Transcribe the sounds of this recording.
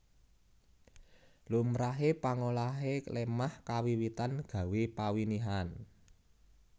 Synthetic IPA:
lumɾaɦepaŋolaɦelemahkawiwit̪anɡ̥ä̤wepawiniɦan

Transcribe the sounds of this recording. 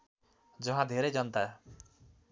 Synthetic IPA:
d͡ʒʌɦãd̪ʱeɾed͡ʒʌnt̪ae

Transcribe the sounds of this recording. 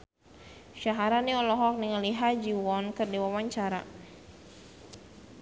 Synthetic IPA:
ʃaɦaɾaniɔlɔɦɔk̚niŋəliɦad͡ʒiwɔnkɨrdiwawaɲt͡ʃaɾa̰

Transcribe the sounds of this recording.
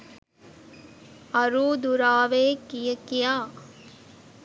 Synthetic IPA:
ɐɾuːd̪uɾaːʋeːkijəkijaː

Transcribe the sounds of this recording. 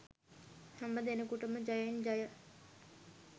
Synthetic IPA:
hambəd̪enəkuʈəməd͡ʒajəind͡ʒajə

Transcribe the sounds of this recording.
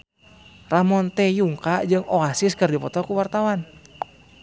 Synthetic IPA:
ramɔnt̪ɛjuŋkaʔd͡ʒɨŋʔoasiskərdipɔt̪ɔkuwart̪awan

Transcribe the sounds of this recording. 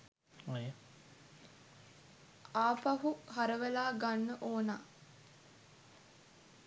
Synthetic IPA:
j | aːpaɦuɦaɾəʋelaːɡanːəʔoːnaː

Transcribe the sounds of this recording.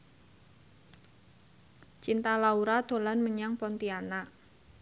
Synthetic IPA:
t͡ʃint̪alauɾad̪̥o̤lanməɲaŋpɔnt̪ianaʔ

